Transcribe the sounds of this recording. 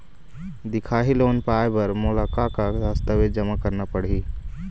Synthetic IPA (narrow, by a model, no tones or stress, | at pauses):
d̪ɪkʰaːɦiloːnpaːjbɐɾmoːlaːkakaast̪əʋed͡ʒɐmakəɾnapɐɽ̤iː